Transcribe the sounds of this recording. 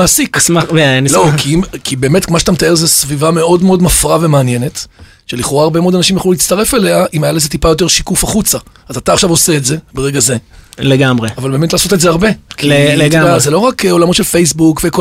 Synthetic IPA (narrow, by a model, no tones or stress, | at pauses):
aːsiksmaveanlo̞kiimkibe̞ːme̞tmaʃeḁt̪amet̪aeʁzesvivame̞o̞dmeo̞dmafʁave̞maanje̞ne̞t | ʃe̞liχo̞ʁaːʁbe̞meo̞d̪anaʃimjaχlulit͡staʁe̞fele̞aʔimajalezet̪ipajo̞t̬e̞ʁʃikufaχut͡saazataːχʃavo̞se̞ːtze̞beʁeɡaze̞leɡamʁeavalbe̞ːmetlaːsotetzeaʁbe̞kieɡadazelo̞ʁakeo̞lamotʃelfejs̬bukveko